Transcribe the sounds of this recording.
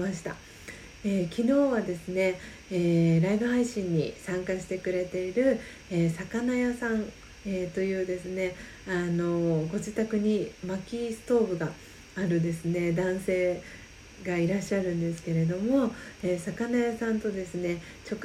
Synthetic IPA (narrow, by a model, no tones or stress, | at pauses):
aɕi̥t̪a̰ | eːkʲino̞ːβad̪e̞sɨne̞ | eːɾaibɯ̟ɦaiɕĩɲ̟ːḭsãŋkaɕi̥t̪e̞kɯ̟ɾe̞t̪e̞iɾɯ̟ | eːsakanajasãn | eːt̪o̞jɯ̟ːd̪e̞sɨne̞ | ano̞ɡo̞d͡ʑit̪akɯ̟ɲ̟imakʲisɨ̥t̪o̞ːbɯ̟ɡaː | ɾɯ̟d̪e̞sɨne̞d̪ãɰ̃se̞ː | ɡaiɾaɕːaɾɯ̟̃nd̪e̞sɨ̥ke̞ɾe̞d̪o̞mo̞eːsakanajasãnt̪o̞d̪e̞sɨne̞ | t͡ɕo̞kɯ